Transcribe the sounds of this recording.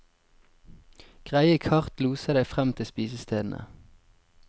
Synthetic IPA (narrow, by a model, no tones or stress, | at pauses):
ɡ̥ʁæɪəkʰɑʁt̪luːsəd̪æɪfʁɛmt̪ʰɪlspiːsəst̪ʰeːd̪n̩ə̰